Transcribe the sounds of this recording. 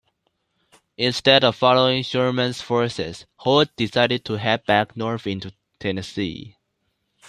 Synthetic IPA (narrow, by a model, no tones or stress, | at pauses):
ɪ̃nstɛɾɔv̥fɑloɪ̃ŋʃɔɹmə̃nsfɔɹsɪ̰shod̚d̥isaɪɾɨd̚tʰuɦævbæknɔɹfɪ̃ntu | tʰɛnəsḭ